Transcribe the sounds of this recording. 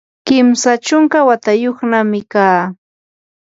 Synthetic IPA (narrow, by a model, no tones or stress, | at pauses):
kɪmsat͡ʃʊŋkawat̪ajoχnamɪkaː